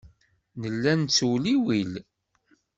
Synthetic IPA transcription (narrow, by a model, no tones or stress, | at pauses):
nəlːænt͡sːuwliwil